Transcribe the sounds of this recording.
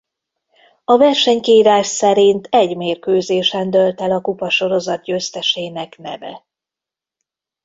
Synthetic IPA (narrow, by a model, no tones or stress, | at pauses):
ɒvɛrʃɛɲkiːɾaːʃsɛɾint̪ʰɛɟmeːrkøːzeːʃɛnd̪ølt̪ɛlɒkupɒʃo̞ɾo̞zɒt̪̚ɟøːst̪ɛʃeːnɛknɛ̰vɛ̰